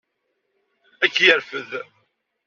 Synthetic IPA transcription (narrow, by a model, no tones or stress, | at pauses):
ækːjəɾfəð